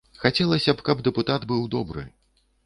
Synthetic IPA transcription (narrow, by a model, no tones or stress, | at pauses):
xat͡sʲɛlˠɐsʲɐpkɐbd̪ɛput̪ad̪bɨwd̪ɔbɾɨ̰